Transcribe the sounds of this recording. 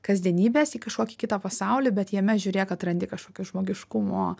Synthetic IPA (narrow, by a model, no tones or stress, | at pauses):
kɐzʲd̪ʲiɛnʲiːbʲeːsiːkɐʃkoːkʲɪkʲɪt̪ɐːpɐsɑʊlʲiːbʲɛt̪jiɛmʲɛʒʲʊɾʲeːjkɐt̪rɐnʲd̪ʲɪkɐʃkoːkʲʊʒmoːɡʲɪʃkʊmoː